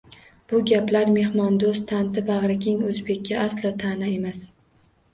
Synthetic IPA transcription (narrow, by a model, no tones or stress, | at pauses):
b̥ʊɡʲaplaɾme̞hmɒnd̪ost̪ʰant̪ɪbaʁɾak̪ʲɪŋɵzbe̞kʲːaʔaslɒt̪ʰanae̞mas